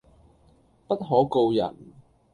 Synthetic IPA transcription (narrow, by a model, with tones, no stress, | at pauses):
pɐ˥t̚ɦɔː˨˥ko˧wjɐ̰˨˩n